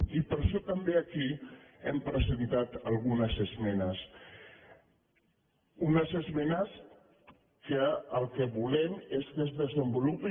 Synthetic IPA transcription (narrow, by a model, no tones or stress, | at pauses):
ipəɾʃɔt̪əmbeəkiɛmpɾəzənt̪at̪əlˠɣunəzəzmɛnəs | unəzəzmɛnəs | kəəlˠkəβulɛmeskəzðəzəmbulupi